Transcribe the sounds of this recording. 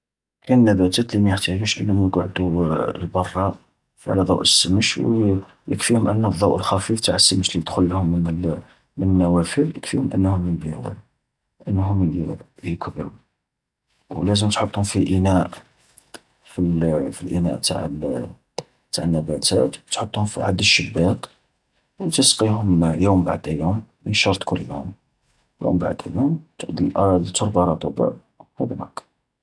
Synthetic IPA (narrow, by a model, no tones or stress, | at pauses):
kænənːæbæt̪æt̪limæjəħt̪æʒuʃʔənːmæjɡʕd̪uəlbɑrˤːɑ | fʕ̰læd̪ˤɑwʔəsːəməʃw | jəkfihʊmʔənːd̪ˤːɑwʔəlxæfift̪aʕəsːəməʃlid̪xʊlːhʊmːn | mənənːæwæfiljəkfihʊmʔə̰nːhʊm | ʔənːɦʊm | kbɾ | wlæzəmt̪ħot̪ˤːhʊmfiʔənæʔ | filfilʔənæ̰ʔt̪a̰ʕəl | t̪aʕənːæbæt̪æ̰t̪t̪ħot̪ˤːhʊmfiʕad̪əʃːəbːæq | wt̪əsqihʊmjumba̰ʕd̪æjumːənʃɑɾˤt̪ˤkʰʊlːjum | jṵmba̰ʕd̪æjumt̪d̪iʔɾd̪t̪ʊɾˤbɑɾˤɑt̪ˤobə̰ | hæb̪næk